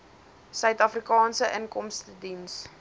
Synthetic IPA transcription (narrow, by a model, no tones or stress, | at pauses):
sœɥtɐfrikɑːnsəʔənkɔmstədins